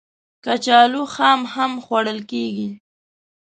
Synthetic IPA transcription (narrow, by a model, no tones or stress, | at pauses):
kat͡ʃɑluxɑmhamxwaɽəlkeɡi